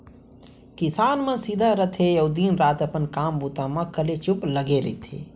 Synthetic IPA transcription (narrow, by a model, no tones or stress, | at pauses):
kɪsaːnmãsid̪ʱaɾət̪ʰejoʊd̪iːnɾaːt̪əpənkaːmbuːt̪amãkəlet͡ʃʊpləɡeɾḛt̪ʰḛː